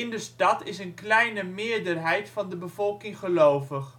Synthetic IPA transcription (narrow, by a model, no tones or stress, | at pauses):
ɪndəstɑtɪsənklɛjnəmɪːɹdərɦɛjtfɑndəbəvɔlˠkɪŋχəlowvəχ